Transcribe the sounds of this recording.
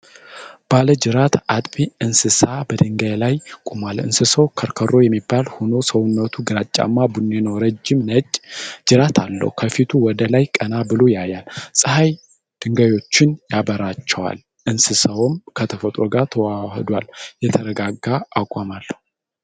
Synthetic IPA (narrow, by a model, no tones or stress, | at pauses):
b̥aləd͡ʒɨɾat̪at̪ʼbiɨnsɨsabəd̪ɨŋɡajlajkʼumalɨ̰nsɨsəwkʰəɾkʰəɾo̞jɛmːibːalhono̞səwʊnːət̪ʰuɡɨɾat͡ʃʼːa̰mːabunːe̞nəwɾəd͡ʒːɪmnəd͡ʒɨɾat̪ʰalːə̰hukʰəfit̪ʰuwɔd̪əlajkʼənabɨlo̞jajalsʼɨhaj | d̪̥ɨŋɡajo̞t͡ʃːɪnjabəɾat͡ʃːɛwa̰l | ʔɨnsɨsəwmkʰət̪ʰəfət̪ʼɾoɡat̪ʰəwahd̪waljɛt̪ʰəɾəɡaɡːaːkʼamalːəhu